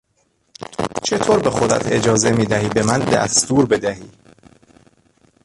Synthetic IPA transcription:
t͡ʃʰe̞t̪ʰoːɾbe̞xod̪æ̰t̪ʰe̞d͡ʒɒːze̞miːd̪æhiːbe̞mænd̪æ̰st̪uːɾbe̞d̪æhiː

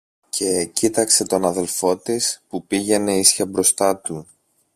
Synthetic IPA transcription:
cʰe̞cit̪ɐkse̞t̪o̞nɐðe̞lfo̞t̪ispupiʝe̞ne̞isçɐbɾo̞st̪ɐt̪u

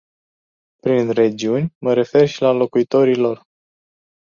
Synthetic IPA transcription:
pɾinre̞d͡ʒiunʲməɾe̞fe̞rʃilalo̞kuit̪o̞ɾilo̞r

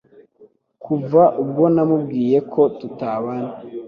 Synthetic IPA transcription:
kʰuvaʔub̚ɡo̞namubɡiːje̞kʰo̞tutaːβana

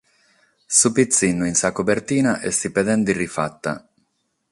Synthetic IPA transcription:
supit̪sːinːuinsakobert̪iːnaʔesipɛd̪ɛnd̪irifa̰t̪ːa̰

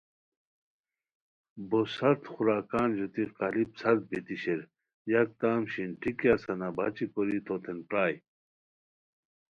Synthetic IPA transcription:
bosɐɾt̪xuɾaːkaːnʑot̪iqɐlipsɐɾt̪̚bit̪iɕeɾ | jɐk̚t̪aːmɕinʈʰikjasɐnaba̰t͡ɕikoɾit̪ʰot̪ʰenpɾaːj

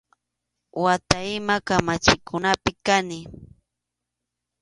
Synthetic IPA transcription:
wat̪aɪmakamat͡ʃɪkʰʊnapɪkanɪ

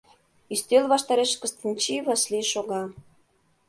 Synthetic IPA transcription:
ist̪ølβɑʃt̪ɑɾeʃkə̆st̪ənʲt͡ɕiβɑsliʃoɣɑ

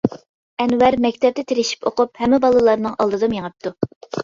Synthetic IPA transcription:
ɛnwæɾmɛkʲt̪ʰɛp̚t̪ɛt̪ʰeɾɪʃi̥pʰoqʊphɛmːɪbɑlˠɨlˠɑɾnɨŋʔɑlˠd̪ɨd̪ɨmjeŋəp̚t̪ʰu

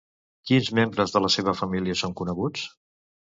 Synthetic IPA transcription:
kinzmembɾəzðələseβ̞əfəmiliəsoŋkunəɣut͡s

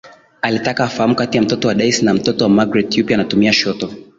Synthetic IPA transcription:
alitakaːfahamukatijam̩tɔtɔwaɗaisnam̩tɔtɔwamaɡɾɛtjupjaːnatumiaʃɔtɔ

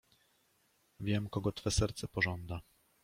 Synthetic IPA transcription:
vʲjɛmkɔɡɔt̪fɛsɛɾt̪sɛpɔʐɔnd̪a

